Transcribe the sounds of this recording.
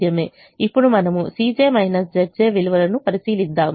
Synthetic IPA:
jɐme̞̰ː | ipːuɽumɐnɐmusiːd͡ʒeːmɐɦinɐs̬d͡ʒɐɾd͡ʒeːʋiluʋɐɾɐnupɐɾisiːlid̪ːaːm

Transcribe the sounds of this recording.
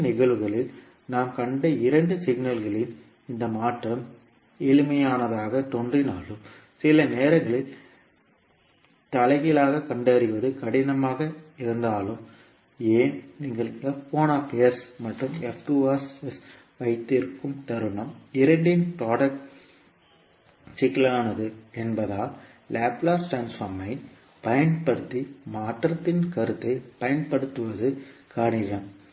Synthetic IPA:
nɪɣɐɭɯɣɐɭɪl | naːmkɐɳɖɐɪɾɐɳɖɯsɪɣnɐlɣɐɭɪn | ɪnd̪ɐmaːʈrɐm | ɛlɯmɐjaːnɐðaːɣɐt̪ɔɳdrinaːlɯm | sɪlɐneːɾɐŋɡɐɭɪl | t̪ɐlɐɣɪlaːɣɐkɐɳɖɐɾɪʋɐðɯkɐɽɪnɐmaːɣɐɪɾɯnd̪aːlɯm | eːnniːŋɡɐɭɛpːoːnaːpejɐɾsmɐʈːɯmɛft̪uʋaːss | ʋɐɪt̪ːɪɾɯkːɯmt̪ɐɾɯɳɐmɪɾɐɳɖɪnpɾaːɽɐkʈ | sɪkːɪlaːnɐðɯɛnbɐðaː | laːplaːsʈɾaːnsfɐːɾmɐɪ | pɐjɐnpɐɽɯt̪ːimaːʈːɾɐt̪ːɪnkɐɾɯt̪ːɯpɐjɐnpɐɽɯt̪ːɯʋɐðɯkaːɽɪɣɐm

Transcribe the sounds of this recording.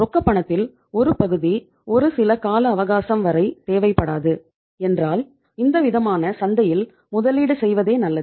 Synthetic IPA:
ɾɔkːɐpːɐɳɐt̪ːɪl | ɔɾɯpɐɣɯði | ɔɾɯsɪlɐkaːlɐːʋɐɣaːsɐmʋɐɾɐɪt̪eːʋɐɪpːɐɽaːðɯ | ɛndraːl | ɪnd̪ɐʋɪðɐmaːnɐsɐnd̪ɐjɪl | mʊðɐliːɽɯsɛjʋɐðeːnɐlːɐ

